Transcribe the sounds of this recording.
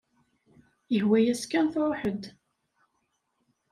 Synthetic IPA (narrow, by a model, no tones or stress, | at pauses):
jəɦwæjæskːænθɾˤoħəd̪